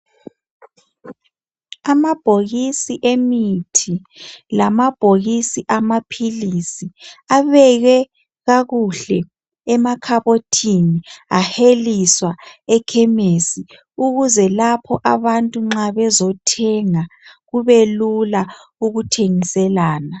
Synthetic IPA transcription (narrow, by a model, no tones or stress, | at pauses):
amab̥ʱoɣisiʔemitʰi | lamab̥ʱoɣisiʔamapʰilisiaβɛɣɛ | ɣaɣuɬɛ | ɛmakʰaβotʰiniaheliswaɛkʰɛmesi | uɣuzɛlapʰɔʔaβantʼuŋ͡ǁaβɛzɔtʰɛŋaɣuβelulauɣutʰeŋisɛlaːna